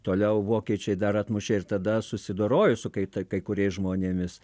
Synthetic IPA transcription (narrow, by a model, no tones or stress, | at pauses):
t̪oːlʲɛʊʋoːkʲiɛt͡ʃʲɛɪd̪ɐɾɐt̪mʊʃʲeːɪrt̪ɐd̪ɐsʊsʲɪd̪oːɾoːjʊsʊkɐɪt̪ɐkɐɪkʊɾʲɛɪsʒmoːnʲeːmʲɪs